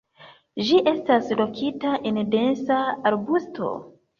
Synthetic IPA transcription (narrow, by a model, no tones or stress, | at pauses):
d͡ʒiʔe̞staslo̞kʰitaʔende̞nsaaɾbustʰo̞̰